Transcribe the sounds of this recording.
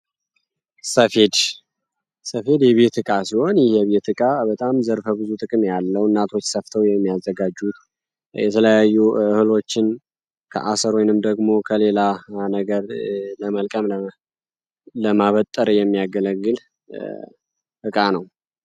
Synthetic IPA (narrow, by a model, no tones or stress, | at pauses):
səfe̞d̪ | səfe̞d̪jɛβe̞t̪ɨkʼasiho̞njɪhɛβe̞t̪ɨkʼabət̪ʼamzəɾfəbɨzut̪ʼɨkʼɨmjalːəwɨnːat̪ʰo̞t͡ʃːsəft̪ʰəwjɛmːijazːəɡad͡ʒut̪ | jɛt̪ʰələjajːuɨhɨlo̞t͡ʃːɪn | kʰə̰ʔasəɾwjnɨmd̪əɡmo̞kʰəle̞lanəɡəɾləməlkʼəmə | ləmaβət̪ʼːəɾjɛmːijaɡələɡɨl | ʔɨkʼanəw